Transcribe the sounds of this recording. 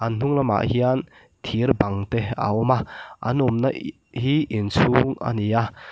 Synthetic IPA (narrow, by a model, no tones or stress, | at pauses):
ʔɐnn̥uŋlɐma̰ʔhian | t̪ʰiɾbɐŋt̪ea̰ɔmaʔɐ̰numnɐ | hiʔinsʰuːŋa̰nia